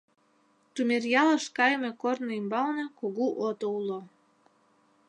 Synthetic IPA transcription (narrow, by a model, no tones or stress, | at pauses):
t̪umʲerjɑlə̆ʃkɑjəmʲekornoimbɑlnɑkoɣuʔot̪oulo